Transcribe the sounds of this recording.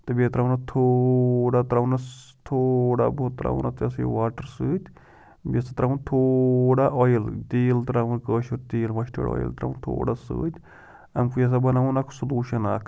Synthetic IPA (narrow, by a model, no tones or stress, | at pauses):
t̪ɨbet̪ɾawnɐt̪ʰoɽat̪ɾaʋnɐst̪ʰoɽa̰bot̪ɾa̰ṵnʔat̪ɐsḭʋaːʈəɾsɨːt̪ʲ | bʲesat̪ɾaunt̪ʰoːɽaʔɔjilt̪iːlt̪ɾaʋunkəːʃuɾt̪iːlmɐʃʈə̰ɽɔ̰ːjḭlt̪ɾa̰unt̪ʰo̰ːɽasɨ̰ːt̪ʲ | ɐmkujɐs̬abɐnaunakʰsɐluːʃɐna̰ːkʰ